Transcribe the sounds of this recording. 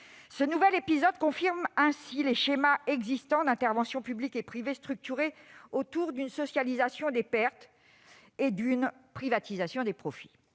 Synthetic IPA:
sənuvɛlepizɔd̪kɔ̃fiʁmɛ̃sileʃemaɛɡzist̪ɑ̃d̪ɛ̃t̪ɛʁvɑ̃sjɔ̃pyblikepχivest̪χyk̚t̪yʁeot̪uʁd̪ynsɔsjalizasjɔ̃d̪epɛʁt̪ | ed̪ynpχivat̪izasjɔ̃d̪epχɔfi̥

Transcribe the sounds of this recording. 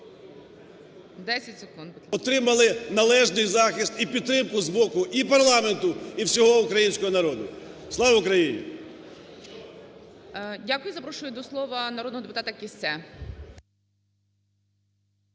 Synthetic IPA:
d̪ɛsʲɐtʲsekund̪ɔt̪ɾɪmɐlˠɪnɐlˠɛʒnɪjzɑxʲist̪ipʲid̪̚t̪ːɾɪmkʊzbɔkʊʔipɐɾlˠɑment̪ʊiwsʲɔɦɔʊkɾɐjinʲsʲkɔɦɔnɐɾɔd̪ʊ̰slˠɑʋʊkɾɐjinʲḭ | dʲakʊjʊzɐpɾɔʃʊjʊd̪ɔslˠɔʋɐnɐɾɔd̪nɔɦɔd̪epʊt̪ɑt̪ɐkʲisɛ

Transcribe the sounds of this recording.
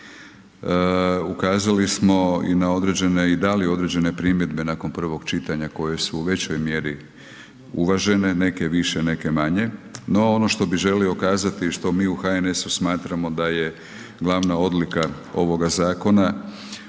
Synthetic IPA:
ukaːzalismo̞ḭnao̞d̪ɾe̞d͡ʑe̞neid̪alio̞d̪ɾe̞d͡ʑe̞ne̞pɾimje̞d̪be̞naːko̞npr̩ʋo̞ɡt͡ʃit̪aɲako̞je̞suːʋe̞t͡ɕo̞jmje̞ɾi | uʋaʒe̞ne̞ne̞ke̞ʋiʃene̞ke̞maɲe̞no̞ono̞ʃt̪o̞biʒe̞lio̞kaːzat̪iʃt̪o̞miːuxae̞ne̞susmaːt̪ɾamo̞d̪aje̞ | ɡlˠaʋnao̞d̪lika | o̞ʋo̞ɡazaːko̞na

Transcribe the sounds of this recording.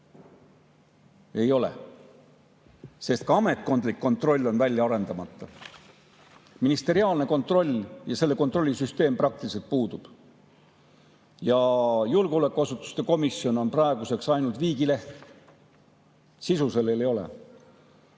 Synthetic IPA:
e̞jo̞le̞̰ | se̞st̪̚kɑɑme̞t̪̚ˑko̞nd̪likːo̞nt̪ro̞lʲːo̞nvælʲjɑɑɾe̞nd̪̥ɑmɑt̪ːˑɑ | minist̪e̞ɾiɑːlne̞ko̞nt̪ˑro̞lʲjɑse̞lːe̞ko̞nt̪ro̞lʲːisyst̪e̞ːmprɑk̚t̪iliselt̪̚puːd̪ub̥ | jɑjulɡuolækːˑuɑsut̪ːˑu̥st̪e̞ko̞misio̞no̞nprɑeɡ̥use̞ksɑjnult̪viːɡile̞ht̪ | sisuse̞lːelejo̞lḛ

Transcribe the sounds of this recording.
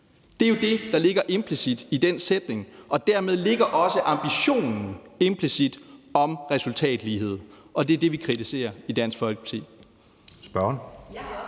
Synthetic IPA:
d̥e̝jo̝d̥e̝d̥ɑ̈le̝ɡ̥ɐʔe̝mpʰlisid̥id̥ensed̥ne̝ŋɒ̽d̥æɐmeð̞ˠle̝ɡ̥ɐʔɒ̽səʔɑ̈mb̥iɕo̝̰ːnn̩e̝mpʰlisid̥ɒ̽mʁɛsult͡sʰɛ̰ːd̥liːɦe̝ð̞̰ˠ | ʔɒ̽d̥e̝æɐd̥e̝ʋikʰʁit͡sʰise̝̰ːɐid̥æn̰sɡ̥fɒ̽l̰ɡ̥t͡sʰe̝̰ | sb̥ɶɐn

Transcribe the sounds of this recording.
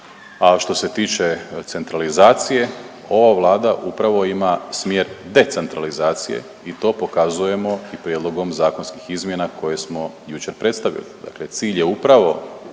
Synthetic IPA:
aʃt̪o̞se̞t̪iːt͡ʃe̞t̪se̞nt̪ɾalizaːt̪sije̞ | o̞ʋaʋlˠaːd̪aʔupɾaʋo̞imasmje̞ːɾd̪e̞t̪se̞nt̪ɾalizaːt̪sijḛ | it̪o̞ːpo̞kazuje̞mo̞ipɾjed̪lˠo̞ɡo̞mzaːko̞nski̥xizmje̞nako̞je̞smo̞ | jut͡ʃe̞ɾpɾe̞t̪st̪aʋḭlḭd̪a̰kle̞t̪siːʎje̞upɾaʋo̞

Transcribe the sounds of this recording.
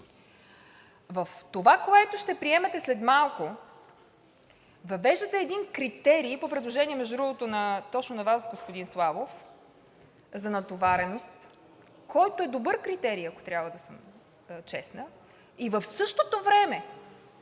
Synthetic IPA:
vəft̪ovakoɛt̪oʃt̪ɛpɾiɛmɛt̪ɛslɛt̪malˠko | vɐvɛʒd̪ət̪ɛːd̪inkɾit̪ɛɾipopɾɛd̪lˠoʒɛniɛmɛʒd̪ʊdɾuvot̪onɐt̪ɔt͡ʃnonɐvasɡospod̪inslˠavof | zɐnɐt̪ovaɾɛnost̪ | kɔjt̪oɛd̪obɤɾkɾit̪ɛɾiɐko̥t̪ɾʲjabvəd̪ɐsəm | t͡ʃɛsnə | ivəfsɤʃt̪ot̪ovɾɛmɛ

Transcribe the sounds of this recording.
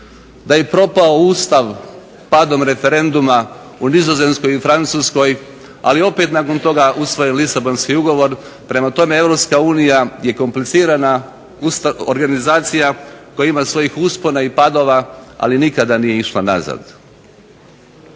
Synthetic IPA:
d̪ajepɾo̞paouːst̪aʋ | pad̪o̞mɾe̞fe̞ɾe̞nd̪uma | unizo̞ze̞nsko̞jifɾant̪suːsko̞j | a̰lio̞pe̞t̪nako̞nt̪o̞ɡaʔusʋo̞jenlˠisabo̞nskiuɡo̞ʋo̞ɾ | pɾe̞mat̪o̞me̞e̞vɾo̞pskauːnijaje̞ko̞mplit̪siːɾana | ust̪ao̰ɾɡanizaːt̪sijakojaimasʋo̞jixuspo̞naipad̪o̞ːʋaa̰linikad̪anijeiʃlˠana̰za̰d̪

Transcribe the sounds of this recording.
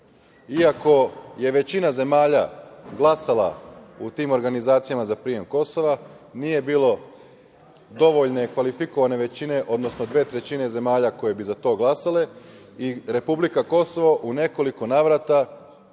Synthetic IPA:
iako̞je̞ʋe̞t͡ɕinaze̞maːʎaɡlˠasala̰ut̪iːmoɾɡanizaːt̪sijamazapɾiːje̞mko̞so̞ʋa | nije̞biːlo̞ | d̪o̞ʋo̞ʎne̞kʋalifiko̞ʋane̞ʋe̞t͡ɕine̞ʔo̞d̪no̞snod̪ʋe̞ːt̪ɾe̞t͡ɕine̞ze̞maːʎako̞je̞bizat̪o̞ːɡlˠasale̞ | iɾe̞publikako̞so̞ʋaʔune̞ko̞liko̞naːʋɾat̪a

